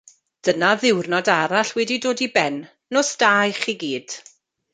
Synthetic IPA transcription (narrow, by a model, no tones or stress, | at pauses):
d̥ənaðɪwrnɔdaɾaɬwɛdidoːdibɛnː | osd̥aːjχiɡiːd̥